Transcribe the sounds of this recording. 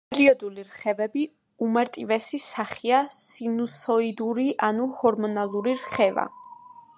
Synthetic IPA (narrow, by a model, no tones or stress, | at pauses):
pʼɛɾiɔd̪uliɾχɛvɛbi | umaɾt̪ʼivɛsisaχiasinusɔid̪uɾiʔanuhɔɾmɔnalˠuɾiɾχɛva̰